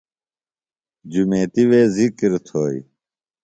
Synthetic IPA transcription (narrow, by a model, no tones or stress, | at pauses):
d͡ʑumeːt̪iʋeːzikɾt̪ʰoːḭ